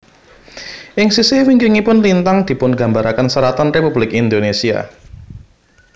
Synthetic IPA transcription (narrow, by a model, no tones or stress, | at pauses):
ʔɪŋsisewiŋkiŋipʊnlint̪aŋd̪̥i̤pʊnɡä̤mbaɾakansəɾat̪ɔnrepublɪkind̪onesia̰